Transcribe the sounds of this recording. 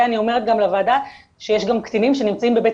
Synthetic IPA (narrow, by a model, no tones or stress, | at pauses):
anio̞me̞ʁet̪̚ɡamlevaːda | ʃejeʃɡamkt̪inimʃe̞nimt͡saimbebet